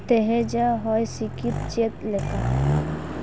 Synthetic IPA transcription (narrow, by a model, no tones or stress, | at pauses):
t̪eɦed͡ʒaɦɔjsikit̪̚t͡ʃet̪leka